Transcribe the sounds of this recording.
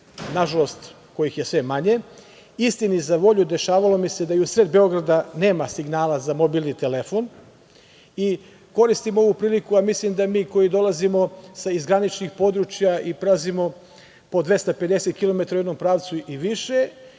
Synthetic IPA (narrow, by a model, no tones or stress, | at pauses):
naʒalo̞st̪ | ko̞jixjesʋe̞maɲe̞ | ist̪inizaʋo̞ʎud̪e̞ʃaːʋalo̞mise̞d̪aiusɾed̪be̞o̞ɡɾad̪ane̞ːmasiɡnaːlazamo̞bilˠnit̪elefo̞n | i | ko̞ɾist̪imoo̞ʋupɾiːlikuamislimd̪amiːko̞jid̪o̞lˠazimo̞saizɡɾanit͡ʃnixpo̞d̪ɾut͡ʃjaipɾazimo̞ | po̞d̪ʋe̞st̪ape̞d̪e̞se̞t̪̚kilˠo̞me̞t̪ɾaued̪no̞mpɾaːʋt̪suiʋiʃe̞